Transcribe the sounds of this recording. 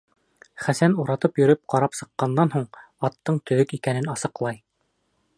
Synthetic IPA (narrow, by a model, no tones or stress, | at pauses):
χæsænuɾɑt̪ɤpjɵ̆ɾɵp̚qɑɾɑpsɤ̆qːɑnd̪ɑnɦuɴ | ɑt̪ːɤɴt̪ɵ̆ðɵkikænɘnɑsɤ̆qlˠɑj